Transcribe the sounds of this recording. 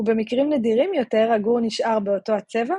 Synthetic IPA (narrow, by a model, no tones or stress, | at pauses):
ube̞mikʁimnediʁimjo̞te̞ʁaɡuʁniʃʔaʁbeo̞to̞hat͡seva